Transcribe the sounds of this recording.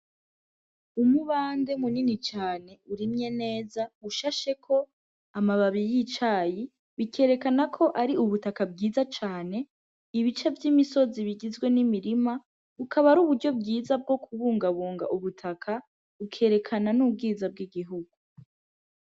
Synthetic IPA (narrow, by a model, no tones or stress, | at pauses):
umuβaːnde̞muninit͡ʃaːne̞uɾimɲe̞ne̞ːzauʃaʃe̞kʰo̞ | amaβaβijit͡ʃaji | βikʰe̞ːɾe̞kanakʰo̞ʔaɾiuβutakabɡiːzat͡ʃaːne̞ | iβit͡ʃevjimiso̞ziβiɡizɡwe̞nimiɾima | ukʰaβaɾuːβuɾɟo̞b̚ɡiːzab̚ɡo̞kuβuːŋɡaβuːŋɡa̰ʔuβutʰakʰa | ukʰe̞ːɾe̞kʰananub̚ɡiːzab̚ɡiɡiɦuɡ̥u